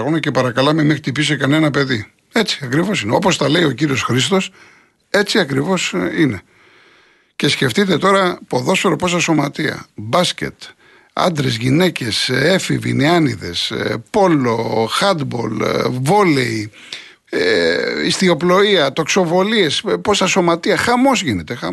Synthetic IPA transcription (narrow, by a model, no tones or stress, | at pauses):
ɣonɐce̞pɐɾɐkɐlɐmemexɾit̪ipisekɐne̞nɐpe̞ðḭ | e̞t͡si̥ɐkɾivo̞sineo̞po̞st̪ɐle̞io̞ciɾio̞sxɾist̪o̞s | e̞t͡siɐkɾivo̞sine̞ | ce̞sce̞ft̪it̪e̞t̪o̞ɾɐpoðo̞sfeɾopo̞sɐso̞mɐt̪iɐ̰bɐsce̞̰t̪ | ɐ̰nd̪ɾezʝine̞ce̞se̞fivḭneɐniðe̞̰spo̞loxɐd̪bo̞̰lvo̞lḛi | ist̪io̞plo̞iɐt̪o̞kso̞vo̞lie̞spo̞sɐso̞mɐt̪iɐxɐmo̞zʝine̞t̪e̞xɐ